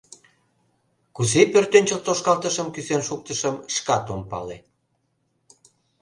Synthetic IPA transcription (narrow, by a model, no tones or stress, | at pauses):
kuzepørt̪ønʲt͡ɕəlt̪oʃkɑlt̪əʃəmkyzenʃuk̚t̪əʃəmʃkɑt̪ompɑ̰le